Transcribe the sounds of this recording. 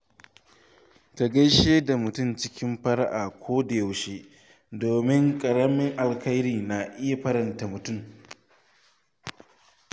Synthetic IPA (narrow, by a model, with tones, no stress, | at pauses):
ta˨ɡɐ˦jʃeː˦da˨mʊ˨tʊ˦˨mt͡ʃɪ˦kʲɪ˦mɸɐ˦ɽʔaː˨kʷʰoː˦da˨ja˨wʃeː˦ | doː˨mɪ˦ŋkʼɐ˨ɽɐ˦mɪ˦ŋʔa˨lkɐ˦jɾiː˨na˨ʔɪ˦ja˨ɸɐ˦ɾɐ˨nta˨mʊ˨tʊ˦˨m